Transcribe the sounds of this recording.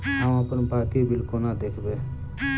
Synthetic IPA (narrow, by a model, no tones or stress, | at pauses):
ɦãməpənbaːkibɪlkonad̪eːkʰbeː